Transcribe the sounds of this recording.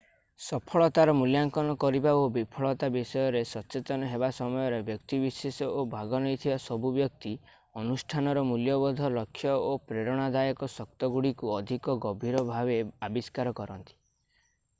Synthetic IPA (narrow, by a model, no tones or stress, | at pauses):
sɔpʰɔɭɔt̪aɾɔmuljaŋkɔnɔkɔɾibaobipʰɔɭɔt̪abisɔjɔɾesɔt͡ʃet̪ɔnɔɦebasɔmɔjɔɾebjɔkt̪ibisesɔʔobʱaɡɔnɔjt̪ʰibasɔbʱubjɔk̚t̪i | ɔnusʈʰanɔɾɔmuljɔbɔd̪ʱɔlɔkʰːjɔopɾeɾɔɽ̃ad̪ajɔkɔsɔk̚t̪ɔɡuɽikuɔd̪ʱikɔɡɔbʱiɾɔbʱabeabiskaɾɔkɔɾɔnt̪i̥